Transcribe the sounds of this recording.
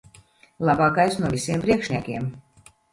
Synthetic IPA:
lˠabaːkajsnuɔvʲisʲiɛmpɾiɛkʃnʲiɛkʲiɛm

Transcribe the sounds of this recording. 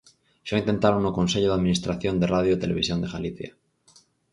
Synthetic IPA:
ʃaint̪e̞nt̪aɾonːoko̞nseʎoðaðminist̪ɾaθjo̞nd̪eraðjoit̪ele̞βisjo̞nd̪eɣaliθja̰

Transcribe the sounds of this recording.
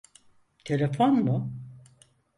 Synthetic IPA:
t̪ʰe̞lʲefonmʊ

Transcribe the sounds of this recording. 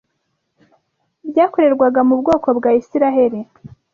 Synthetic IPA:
bɟaːko̞ɾe̞ɾɡwaɡamubɡo̞ːko̞bɡaːisiɾaɦe̞ɾe

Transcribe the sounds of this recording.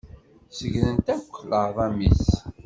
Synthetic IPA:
səʝlənt̪ækʷːləðˤɑmis

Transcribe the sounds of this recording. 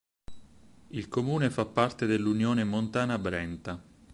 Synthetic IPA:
ilkomuːnefapːart̪ed̪elːunjoːnemont̪aːnabɾɛnt̪a

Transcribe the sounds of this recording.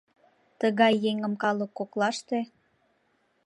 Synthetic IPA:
t̪əɣɑjːeŋəmkɑləkːoklɑʃt̪e

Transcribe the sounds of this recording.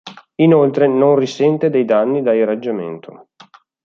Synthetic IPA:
inolt̪ɾenonrisɛnt̪ed̪ɛjd̪anːid̪airad͡ʒːamḛnt̪ʰo̰

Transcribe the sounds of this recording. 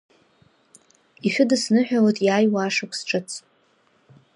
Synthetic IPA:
iħʷᶣʊdɨsnɨħᶣawatʼjaːjwaːʂakʷʰʼsʈ͡ʂʼɨt͡sʰʼ

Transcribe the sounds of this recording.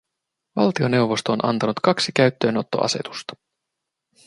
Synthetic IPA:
ʋɑ̰lt̪io̞ne̞wʋo̞st̪o̞ːnʔɑ̰nt̪ɑnut̪kɑksikæɥt̪ːø̞ːno̞t̪ːo̞̰ʔɑ̰se̞̰t̪u̥st̪ɑ̥

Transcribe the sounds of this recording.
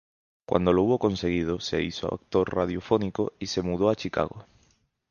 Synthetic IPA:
kwʔa̰nd̪olouβokonseɣ̞ið̞osḛisoa̰a̰k̚t̪oɾrað̞jofonikoisemuð̞oat͡ʃika̰ɣo̰

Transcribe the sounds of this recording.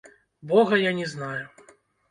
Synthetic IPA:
bɔɣɐjanʲɛznaju

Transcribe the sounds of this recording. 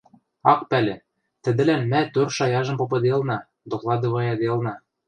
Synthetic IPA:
ɑq̚pælʲɘ̆ | t̪ɘ̆d̪ɘ̆lænmæt̪øɾʃɑjɑʒɤ̆mpop̬ɤ̆d̪eɤ̆lˠnɑ | d̪oklˠɑd̪ŏvɑjɑd̪eɤlˠnɑ

